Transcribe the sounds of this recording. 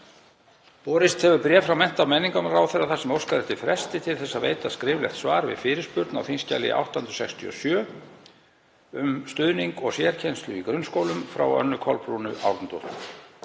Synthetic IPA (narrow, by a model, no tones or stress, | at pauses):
pɔːɾɪst̪hɛvʏɾpɾjɛːfɾawmɛn̥t̪amɛnːiŋkamɾawθɛrːaθasɛmowskaɾɛht̪ɪfɾɛst̪ɪt̪ʰɪlθɛsːavḛːjt̪askɾɪːvlɛxt̪svaːɾvɪ̰ðfɪːɾɪɾspʏɾt̪na̰wθinsca̰lɪ̰ʔa̰wht̪ahʏnt̪ɾ̥sɛkst̪ʰiɔ̰sjœː | ʏmst̪ʏðniŋkɔɣsjɛɾ̥cʰejnst̪lʏikɾʏnːskowlʏmfɾa̰wœ̰nːʏkʰɔlpɾunʏʔa̰wɾt̪nt̪oht̪